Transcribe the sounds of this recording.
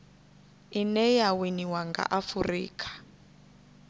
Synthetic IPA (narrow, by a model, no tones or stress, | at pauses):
inɛjawiniwaŋɡa̰ʔafurḭːkʰḁ